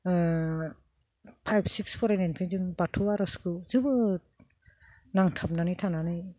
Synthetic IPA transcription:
pʰajbsikspʰɔɾenenpʰezɯŋbatʰuaɾɔskuzɯbɯ | naŋtʰap̚nanɯjtʰananɯj

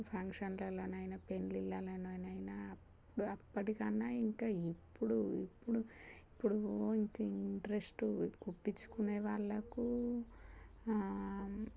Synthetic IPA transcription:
pʰɐŋkʂɐnlɐlɐnɐjnɐpe̞nlilːalɐnɐjnɐjnaːpː | uɽuɐpːɐʈikɐnːaːiŋkaːipːuɽuḭpːuɽuipːuɽuiŋkɐiiiɳʈɐɾesʈuɡupːit͡ʃːu̥kuneːʋaːɭːɐku

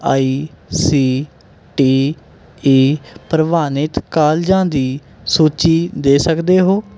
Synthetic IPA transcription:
aːiːsiː | ʈiː | iːpɾəʋaːnɪt̪kaːld͡ʒãːd̪iː | suːt͡ʃiːd̪eːsəkd̪eːɦoː

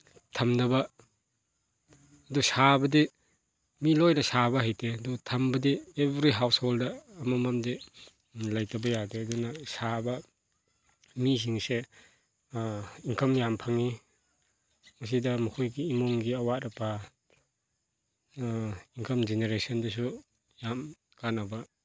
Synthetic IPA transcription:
tʰɐmnɐbɐ | dusabɐdi | milɔjnɐsaβɐɦajtʰeɐdutʰɐmbɐdiebɾiɦawsholdɐːmamamde | lajtɐbɐjadeɐdunɐsabɐ | misiŋse | iŋkʰɐmjampʰaŋi | mas̬idɐmukʰujɡiːmɔŋɡiɐwaɾɐpʰa | iŋkʰɐmd͡ʒeneɾesɔndɐs̬u | jam | kanaba

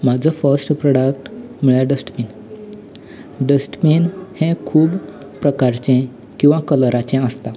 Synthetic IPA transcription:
mad͡zʱəfəɾsʈpɾɔɽək̚ʈmiɭjaɖəsʈmiːn | ɖəsʈminhɛ̃kʰuːb | pɾəkaɾt͡ɕẽ | kĩw̃ʋakələɾat͡ɕɛ̃əst̪a

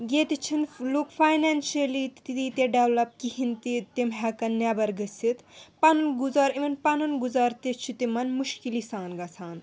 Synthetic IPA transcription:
ɡeːt̪it͡ʃʰinlokfajnaːnʃɐlit̪t̪it̪it̪eɖeʋlɐp̚kiɦint̪it̪imɦɛkɐnːabɐɾɡɐsit̪pɐnɐnɡuzaːɾimɐnpɐnɐnɡuzaːɾt̪et͡ʃʰit̪imɐnmuʃkilisaːnɡɐsʰaːn

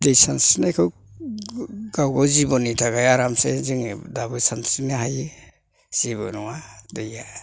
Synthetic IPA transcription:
dejsansnakʰɯw | ɡawɡɔwzibɔnitʰaɡajaɾamseziŋdabɯsansineɦaji | z̥ibɔ̰nɔŋadeja

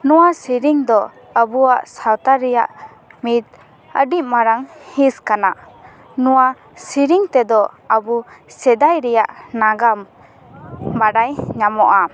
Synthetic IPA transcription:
nɔwasiɾiŋd̪ɔ | əbuaʔsawt̪aɾɛja̰ʔ | mit̪̚ | əɖimaɾaŋhiskanaʔ | nɔwa | siɾiŋt̪ɛd̪ɔəbusɛd̪ajɾɛja̰ʔnaɡam | baɖajɲamɔʔa

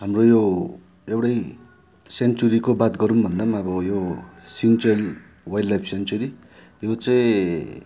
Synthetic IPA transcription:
ɦamrojo | ewɽʌj | sent͡suɾikobat̪ɡʌɾunbʱʌnd̪amaʌbʌjosint͡sʌl | wajɖlajpʰsent͡suɾi | jot͡saĩ

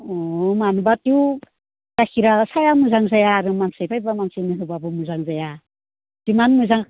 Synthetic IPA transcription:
ɔmanubatiw | takʰiɾasajamuzaŋzajaːɾɯmansajbʰajbamansɯjniɦɯbabɯmuzaŋzaja | d̥imanmɯzaŋ

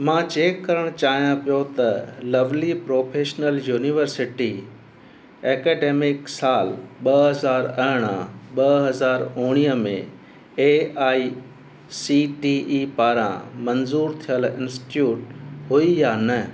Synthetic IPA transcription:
mãːt͡ɕeːkːɐɾəɽ̃t͡ɕaːɦijãpijot̪ɐlɐʋlipɾoːpʰeːʃnəljuːniʋəɾsɪʈi | eːkɛːɖeːmɪksaːlɓɐɦɐzaːɾɐɦɪɽ̃ãɓɐɦɐzaːɾoːɽ̃ijəmḛ̃ | eːaːi | siʈiipaːɾã̰mɐnzuːɾt̪ʰijəlɪ̃nsʈjuːʈ̚ɦuijaːnɐ

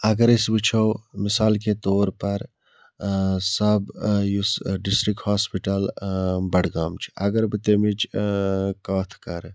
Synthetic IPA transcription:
ɐɡəɾisbit͡ʃʰəwmisaːlk̬et̪oːɾpɐɾ | səbjusɖisʈɾik̚ʈhaːspiʈəlbɐɽ̤ɡamt͡ʃʰi̥ɐɡəɾbit̪emit͡ʃ | kaːt̪ʰkɐɾ

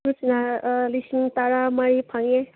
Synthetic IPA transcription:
usnalisint̪aɾamaɾipʰãŋe

